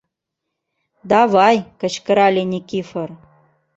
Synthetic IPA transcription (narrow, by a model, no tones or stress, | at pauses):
d̪ɑvɑjkə̆t͡ɕkə̆ɾɑlʲenʲikʲifɤ̆r